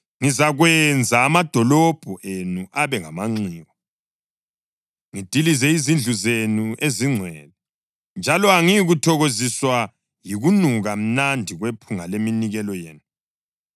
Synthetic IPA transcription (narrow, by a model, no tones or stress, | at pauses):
ŋizaɣwɛnd͡zʱaːmad̥ʱɔlɔb̥ʱɔʔenuʔaβɛŋamaŋ͡ǀiːɣɔ | ŋid̥ʱilizɛizind͡ɮʱuzenuʔeziŋ͡ǀʱwɛːlɛ | nd͡ʒʱalɔaŋiɣutʰɔɣoziswa | jiɣunuɣam̩nandʱiɣwepʰuŋaleminiɣɛlɔjḛːnu